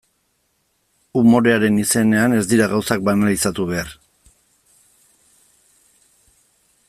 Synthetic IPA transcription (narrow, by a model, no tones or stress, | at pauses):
umo̞ɾe̞aɾe̞nise̞ne̞ane̞zd̪iɾaɣawsak̚banalisat̪uβ̞e̞ar